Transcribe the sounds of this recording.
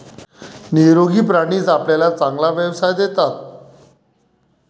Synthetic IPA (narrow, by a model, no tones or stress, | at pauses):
niɾoɡiːp̬ɾaɽ̃iːd͡zapljalat͡saŋɡlaʋjəʋsajd̪et̪a